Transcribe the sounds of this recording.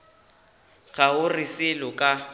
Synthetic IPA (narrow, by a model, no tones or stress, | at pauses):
ɣʰaʊrɪsɪlʊkʼa